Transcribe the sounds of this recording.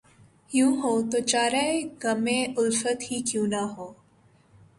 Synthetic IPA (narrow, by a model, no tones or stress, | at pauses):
hjũɦot̪ot͡ɕaɾaeɡəmẽʊlfət̪hiːkjũnaɦo